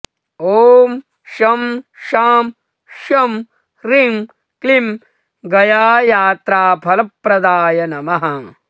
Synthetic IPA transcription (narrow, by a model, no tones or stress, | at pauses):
oːm | ʃɐmʃaːm | ʃɐm | ɾiŋ | klim | ɡɐjaːjaːt̪ɾaːpʰɐlɐpɾɐd̪aːjɐnɐmɐɦɐ